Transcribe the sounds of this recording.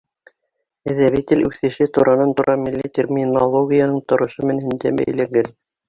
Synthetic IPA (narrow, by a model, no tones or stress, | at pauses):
ɘ̆ðæβit̪ʲɘlʲʉθɘ̆ʃɘt̪uɾʔɑnɑnt̪uɾɑmilʲːit̪ʲermʲinolˠoɡʲijanɤɴt̪ŏɾŏʃɤmɘ̆nhɘ̆nd̪æbæ̰jlæɡɘl